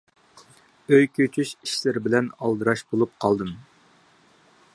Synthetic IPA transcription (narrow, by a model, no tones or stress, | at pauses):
øjkʲʰøt͡ʃʰyʃiʃlɪɾɪbɪlɛnɑlˠd̪ɨɾɑʃbolˠup̚qʰɑlˠd̪ɨm